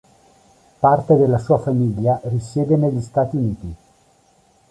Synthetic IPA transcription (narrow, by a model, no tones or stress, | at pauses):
part̪ed̪elːasuːafamiʎːarisjɛːd̪eneʎːist̪aːt̪iuniːt̪i